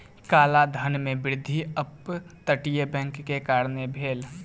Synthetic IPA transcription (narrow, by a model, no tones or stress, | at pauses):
kaːlad̪ʱənmẽbɪɾɪd̪ʱiəpt̪əʈijebɛ̃ŋkːekaːɾnebʱeːl